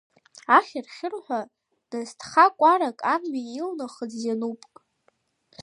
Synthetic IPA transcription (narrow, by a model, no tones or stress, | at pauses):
aχʲɪrχʲɪrħʷᶣa | d̥astʰχakʷʼaɾakʼanɥiilnaχəd͡zzjanupʼkʼ